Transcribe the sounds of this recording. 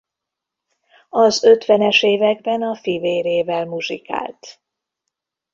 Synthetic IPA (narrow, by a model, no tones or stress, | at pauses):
ɒzø̞t̪ʋɛnɛʃeːvɛɡ̚bɛnɒfiveːɾeːvɛlmuʒika̰ːlt̪